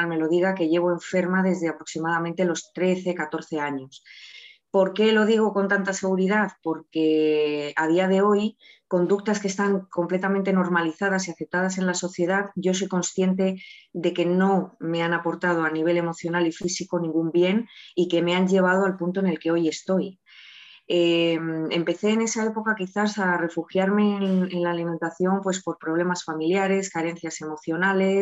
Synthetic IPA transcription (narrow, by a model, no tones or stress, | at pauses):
me̞lo̞ð̞iɣ̞ake̞ʝe̞β̞oe̞ɱfe̞ɾmaðe̞zðeapɾo̞ksimað̞amẽnt̪e̞lo̞st̪ɾe̞θe̞kat̪o̞ɾθe̞aɲo̞spo̞ɾke̞lo̞ðiɣ̞o̞ko̞nt̪ant̪ase̞ɣ̞uɾiðaðpo̞ɾke̞aðiaðe̞o̞jko̞nd̪uk̚t̪askest̪aŋko̞mple̞t̪amẽnt̪e̞no̞ɾmaliθað̞asiaθe̞p̚t̪að̞ase̞nlaso̞θje̞ðaðʝo̞sojko̞nsθje̞nt̪e̞ðe̞ke̞no̞me̞anapo̞ɾt̪að̞oaniβ̞e̞le̞mo̞θjo̞nalifisikonĩŋɡumbje̞nike̞me̞aɲʝe̞β̞að̞o̞alpunt̪oene̞lke̞o̞je̞st̪o̞j | eme̞mpe̞θe̞ːne̞sae̞po̞kakiθasare̞fuxjaɾme̞nnenlaːliment̪aθjo̞mpwe̞spo̞ɾpɾo̞βle̞masfamiljaɾe̞skaɾe̞nθjase̞mo̞θjo̞nale̞